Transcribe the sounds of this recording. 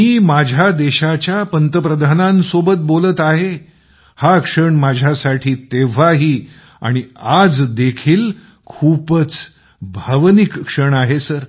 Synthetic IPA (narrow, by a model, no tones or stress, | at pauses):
miːmad͡ʑʱad̪eɕat͡ɕjapənt̪əpɾəd̪ʱanãnsobət̪̚bolət̪aɦe | hakʂəɳmad͡ʑʱjasaʈʰiːt̪eʋ̤aɦiː | a̰ɽ̃iad͡zd̪ekʰiːl | kʰupət͡s | bʱəʋnikːʂəɳaɦesəɾ